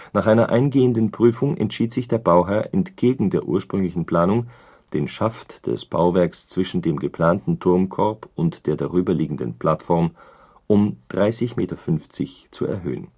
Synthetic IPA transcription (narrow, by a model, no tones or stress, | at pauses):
naːχʔaɪnɐʔaɪnɡeːəndən̩pʁ̥yːfʊŋɛ̰ntʃiːtz̥ɪçd̥eːɐbaʊɦɛɐʔɛntɡ̥eːɡŋ̩deːɐʔṵːɐʃpʁ̥ʏŋlɪçn̩pl̥aːnʊŋ | d̥eːnʃaftd̥ɛ̰sb̥a̰ʊvɛɐkst͡sv̥ɪʃn̩deːmɡəpl̥aːntn̩tʰʊɐmkʰɔɐpʊntd̥eːɐdaʁyːbɐliːɡŋ̩də̰npl̥atfɔɐm | ʔʊmd̥ʁaɪsɪçmeːtɐfʏnft͡sɪçt͡suɛ̰ɐɦø̰ːə̰n